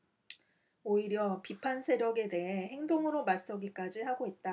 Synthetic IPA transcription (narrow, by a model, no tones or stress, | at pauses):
oiɾjʌpipʰansʰe̞ɾjʌɡe̞de̞ɦe̞ɦe̞ŋdoŋɯɾomas͈ʌɡik͈ad͡ʑihaɡoɦet̚t͈a